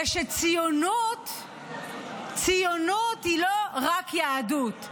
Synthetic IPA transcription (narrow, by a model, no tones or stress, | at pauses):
ʃet͡sijonut̪ | t͡sijonut̪hiloʁakjaːdut̪